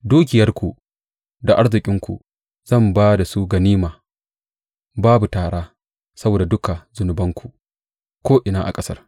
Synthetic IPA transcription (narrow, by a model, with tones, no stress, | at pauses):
duː˦kʲɪ˨jɐ˦rkʷu˨ | da˨ʔa˦ɽzɪ˨kʲʼɪ˦ŋkʷṵ˨ | z̥ɐ˦˨mbaː˦da˨su˦ɡɐ˨niː˦maː˨ | baː˦bu˨taː˨ɽaː˦ | sɐ˦boː˨da˨dʊ˦ka˨zʊ˨nʊ˨bɐ˦ŋkʷu˨ | kʷoː˦ʔɪ˨naː˦ʔa̰˨kʼɐ˦sɐ̰˦r